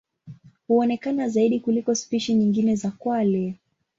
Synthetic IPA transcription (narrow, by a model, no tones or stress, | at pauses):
huɔnɛkanazaiɗikulikɔspiʃiɲiŋɡinɛzakwalɛ